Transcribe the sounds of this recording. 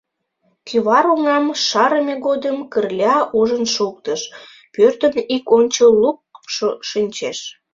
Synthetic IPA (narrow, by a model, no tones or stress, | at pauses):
kyβɑɾuŋɑmʃɑɾəmʲeɣod̪əmkərlʲɑʔuʒənʃuk̚t̪əʃ | pørt̪ənikonʲt͡ɕəlːuk̚ʃinʲt͡ɕeʃ